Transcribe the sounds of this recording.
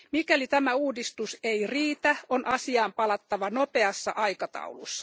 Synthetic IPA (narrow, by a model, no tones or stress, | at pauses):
mikælit̪æmæuːdist̪useiriːt̪æonʔɑsiɑːmpɑlɑt̪ːɑʋɑnope̞ɑsːɑ̰ʔɑjkɑt̪ɑ̰ulṵsːɑ